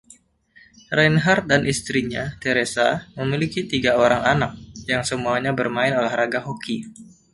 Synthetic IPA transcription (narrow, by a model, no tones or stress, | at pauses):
ranɦart̪̚danʔist̪ɾiɲat̪eɾesaməmilikit̪iɡaoɾaŋanak̚jaŋsəmuaɲabərmaɪnolɛhɾaɡaɦoki